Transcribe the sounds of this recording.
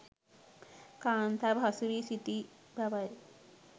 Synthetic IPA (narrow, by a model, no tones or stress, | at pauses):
kaːnt̪ʰabʱasuɾisit̪i | bʱɐʋɐj